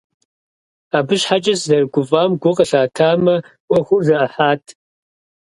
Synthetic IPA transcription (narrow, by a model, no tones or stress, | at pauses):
aːbɨɕħat͡ʃʼɐszɐrɡʷʊfʼaːmɡʷʊqʼɐɬaːtʰaːmɐ | wʷʼɐχʷʊzɐɐħaːtʰ